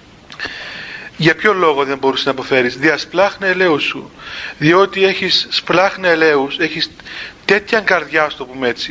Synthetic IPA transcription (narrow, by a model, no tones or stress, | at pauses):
ʝɐpço̞lo̞ɣoðembo̞ɾuseznɐpo̞fe̞ɾizðiɐsplɐxnɐele̞usṵðio̞t̪ie̞çisːplɐxneele̞use̞çist̪e̞t̪çɐŋɡɐɾðʝɐɐst̪opume̞t͡si̥